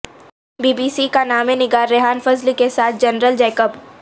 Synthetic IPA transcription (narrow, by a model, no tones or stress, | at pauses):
biːbiːsikanaːmẽnɪɡaːɾːɪɦaːnfɐzlikesaːt̪̚ʰd͡ʒɐnɾəld͡ʒɛːkəp